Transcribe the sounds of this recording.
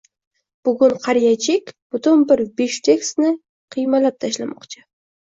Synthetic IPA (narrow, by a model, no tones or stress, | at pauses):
b̥ʊɡʊɴqʰɑɾjat͡ʃʰekʲb̥ʊt̪ʊnbɪɾbeʃt̪ʰeksnɪ | qʰijmalˠap̚t̪ʰaʃlamɒ̰qt͡ʃʰɪ̥